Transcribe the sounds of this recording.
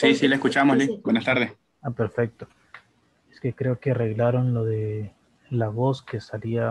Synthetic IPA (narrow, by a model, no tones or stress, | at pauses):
sisileskut͡ʃamoslibwenast̪aɾðes | ape̞ɾfe̞k̚t̪o̞ | eske̞kɾe̞okeare̞ɣlaɾo̞nlo̞ðe̞ | laβo̞ske̞salia